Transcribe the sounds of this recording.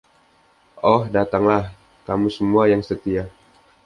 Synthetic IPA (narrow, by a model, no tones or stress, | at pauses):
ʔɔhdat̪aŋlah | kamusəmuajaŋsət̪ia